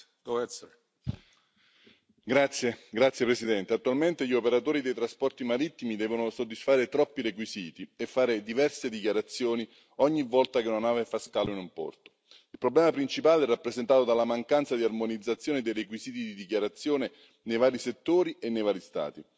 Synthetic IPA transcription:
d̪ | ɡɾat̪sːjeɡɾat̪sjepɾesid̪ɛnt̪eat̪ːualment̪eʎiopeɾat̪oːɾid̪ejt̪ɾaspɔrt̪imaɾit̪ːimid̪ɛːvonosod̪ːisfaːɾet̪ɾɔpːiɾekwiziːt̪iefːaːɾed̪ivɛrsed̪ikjaɾat̪sːjoːni | ɔɲːivːɔlt̪akenanaːvefaskaːloinumpɔ̰rt̪o̥ | ilpɾoblɛːmapɾint͡ʃipaːlɛrːapːɾezent̪aːt̪od̪alamaŋkant̪sad̪iarmonid̪zat̪sːjoːned̪ejrekwiziːt̪id̪id̪ikjaɾat̪sːjoːne | nejvaːɾiset̪ːoːɾienːejvaːɾist̪a̰ːt̪i

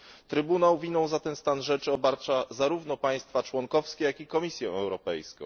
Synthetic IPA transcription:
t̪ɾɘbunawvʲinɔ̃w̃zat̪ɛnst̪anʐɛt͡ʂɘɔbaɾt͡ʂazaɾuvnɔpaj̃st̪fat͡ʂwɔŋkɔfskʲejakʲikɔmʲisʲjɛɛwɾɔpɛ̰jskɔ̰̃w̃

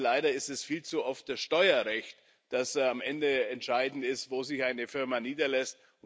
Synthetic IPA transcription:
laɪdɐɪstɛsfiːlt͡suʔɔft̚d̥asʃtɔʏɐʁɛçt | d̥asamʔɛndəɛntʃaɪdn̩tɪstv̥oːzɪçaɪnəfɪɐmaːniːdɐlɛst̚ | ʊn

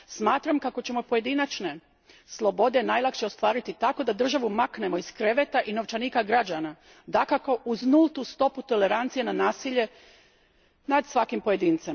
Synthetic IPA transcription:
smaːt̪ɾamkako̞t͡ɕe̞mo̞po̞je̞d̪inat͡ʃne̞ | slˠo̞bo̞d̪e̞naːjlakʃeo̞st̪ʋaːɾit̪it̪ako̞d̪ad̪r̩ʒaʋumakne̞mo̞iskɾeʋet̪aʔino̞ʋt͡ʃaniːkaɡɾad͡ʑana | d̪akako̞ʔuznulˠt̪ust̪o̞put̪o̞le̞ɾant̪sije̞nanaːsiʎe̞ | nad̪sʋakimpo̞je̞d̪iːnt̪sem

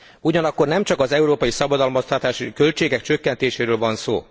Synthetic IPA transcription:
uɟɒnɒkːo̞rnɛmt͡ʃɒkɒzɛuɾoːpɒjisɒbɒd̪ɒlmost̪ɒt̪aːʃikø̞lt͡ʃeːɡɛkt͡ʃøkːɛnt̪eːʃeːɾøːlvɒnsoː

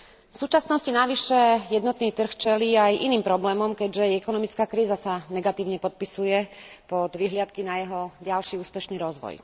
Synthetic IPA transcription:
fsuːt͡ʃasnɔscinaʋiʃɛjɛd̪nɔt̪niːt̪r̩xt͡ʃɛliːajʔiniːmpɾɔblɛːmɔmkɛɟʒɛɛkɔnɔmit͡skaːkɾiːzasanɛɡat̪iːʊɲɛpɔt̪̚pisujɛpɔd̪ʋiɦlɪat̪kinajɛɦɔɟalʃiuːspɛʃniːɾɔzʋɔ̰j

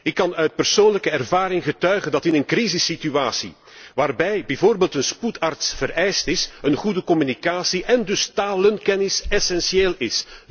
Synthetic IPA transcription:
ɪkːɑnœɥt̚pərsoːnləkəɛrvaːɾɪŋɣətœɥɣəndɑtɪnənkrizɪsːityaːsḭ | ʋaːrbɛjbɛvoːrbeːltənsputartsv̥əɾɛjstɪsənɣudəkɔmynikaːsiʔɛndɵstaːlənkɛnɪsɛsɛnsieːlɪs

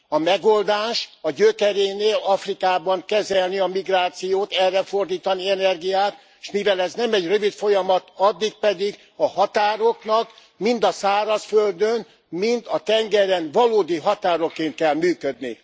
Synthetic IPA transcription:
ɒmɛɡo̞ld̪aːʃɒɟøkɛɾeːneːlɒfrikaːbɒŋkɛzɛlniɒmiɡraːt̪sijoːt̪ɛrːɛfo̞rd̪iːt̪ɒniɛnɛrɡijaːt̪ | ʃmivɛlɛznɛmɛɟrøvit̪fo̞jɒmɒt̪ɒd̪ːik̚pɛd̪iɡ | ɒhɒt̪aːɾo̞knɒk | mind̪ɒsaːɾɒsføld̪øn | mint̪ɒt̪ɛŋɡɛɾɛnvɒloːd̪iɦɒt̪aːɾo̞kːeːnt̪̚kɛlmyːkød̪nḭ

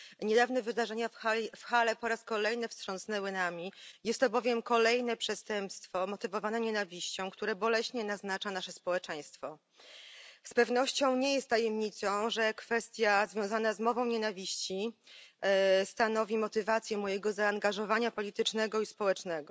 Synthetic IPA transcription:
ɲɛd̪avnɛvɘd̪aʐɛɲafxafxalɛpɔɾaskɔlɛjnɛfstʂɔ̃nsnɛwɘnamʲijɛst̪ːɔbɔvʲjɛmkɔlɛjnɛpʂɛst̪ɛmpst̪fɔmɔt̪ɘvɔvanɛɲɛnavʲiɕt͡ɕɔ̃w̃kt̪uɾɛbɔlɛɕɲɛnaznat͡ʂanaʂɛspɔwɛt͡ʂɛj̃st̪fɔ | spɛvnɔɕt͡ɕɔ̃w̃ɲɛjɛst̪ːajɛmɲit̪sɔ̃w̃ʐɛkfɛst̪ʲjazvʲjɔ̃w̃zanazmɔvɔ̃w̃ɲenavʲiɕt͡ɕi | st̪anɔvʲimɔt̪ɘvat̪sʲjɛmɔjɛɡɔzaːŋɡaʐɔvaɲapɔlʲit̪ɘt͡ʂnɛɡɔispɔwɛt͡ʂnɛɡɔ

